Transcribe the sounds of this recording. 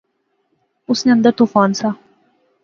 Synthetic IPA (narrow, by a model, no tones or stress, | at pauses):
usnʲand̪ət̪ufɑnsɑ